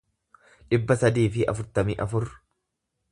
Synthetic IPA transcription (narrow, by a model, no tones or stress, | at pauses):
ᶑɪbːɐsɐd̪iːfɪʔɐ̰fʊɾt̪ɐmiʔɐfʊr